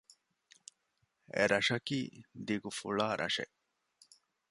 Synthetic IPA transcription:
ḛɾɐʂɐkiːd̪iɡufuɭaːɾʔɐʂḛ

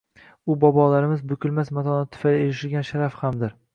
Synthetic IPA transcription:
ʊbɒbɒlaɾɪmɪzbʊkʲʰʊlmasmat̪ʰɒnat̪ʰːʊ̥faleɾɪʃɪlɡʲanʃaɾafhamd̪ɪɾ

